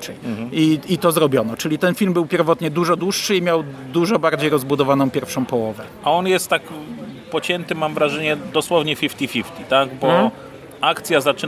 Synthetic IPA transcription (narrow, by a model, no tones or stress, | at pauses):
t͡ʂɛiit̪ɔzɾɔbʲjɔnɔt͡ʂɘlʲit̪ɛnfʲilmbɘwpʲjɛɾvɔt̪ɲɛd̪uʐɔd̪wuʂːɘimʲjawd̪uʐɔbaɾd͡ʑejɾɔzbud̪ɔvanɔ̃w̃pʲjɛɾfʂɔ̃w̃pɔwɔvɛ | aɔnjɛst̪ːakpɔt͡ɕɛnt̪ɘmamvɾaʐɛɲɛd̪ɔswɔvɲɛfʲift̪ʲifʲift̪ʲit̪aɡbɔ | akt̪sʲjazat͡ʂɘ